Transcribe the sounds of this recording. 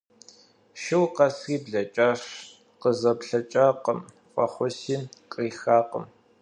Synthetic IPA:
ʃɪwqɐsriːbɮɐt͡ʃʼaːʂ | qəzɐpɬɐt͡ʃʼaːqəm | fʷʼɔχʷʊsiːqʼiːxaːqə̰m

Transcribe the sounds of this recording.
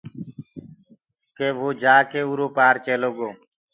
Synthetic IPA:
keːʋoːd͡ʒaːkeːuːɾoːpaːɾt͡ʃeːloːɡoː

